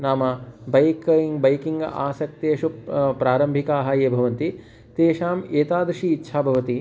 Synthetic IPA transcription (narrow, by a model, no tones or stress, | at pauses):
naːmɐbɐjkiŋɡbɐjkiŋɡʔa̰ːsɐk̚t̪eːʃupɾaːɾɐmbʱikaːɦɐjeːbʱɐʋɐnt̪i | t̪eːʃaːmeːt̪aːd̪ɾʂiːtːʃʰaːbʱɐʋɐt̪i